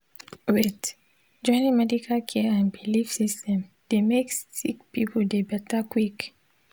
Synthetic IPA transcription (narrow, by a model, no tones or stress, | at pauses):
wet | d͡ʒɔnimɛdikʰakʰeãnbilifsistɛ̃m | d̪̥emekssḭk̚pipədebɛtakwik